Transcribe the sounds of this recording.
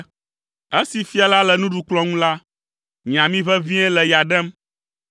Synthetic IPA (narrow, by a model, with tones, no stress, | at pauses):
ɛ˦si˨fi˦a˨la˦lɛ˨nũ˦ɖu˨k͡plɔ˦ŋũ˦la˦ | ɲĩ˨ã˨mĩ˦βɛ˦vĩ˦ɛ˦lɛ˨ja˨ɖɛ˦m